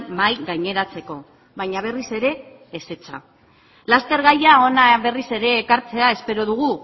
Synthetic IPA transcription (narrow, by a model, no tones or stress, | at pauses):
majɣajɲe̞ɾat͡se̞ko̞ | βajɲaβ̞e̞rise̞ɾe̞ː | se̞t͡sa̰ | last̪e̞ɾɣajao̞naβe̞rise̞ɾe̞ːkaɾt͡se̞ae̞spe̞ɾo̞ð̞uɣ̞u